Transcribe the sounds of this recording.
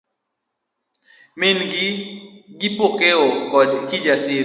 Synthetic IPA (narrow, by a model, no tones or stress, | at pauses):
mɪnɡɡɪpokeɔkɔdkid͡ʒasɪ